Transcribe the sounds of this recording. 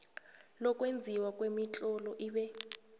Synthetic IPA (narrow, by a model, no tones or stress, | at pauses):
lɔkʼwend͡zʱiwakʼwemit͡ɬʼɔlɔʔiɓɛ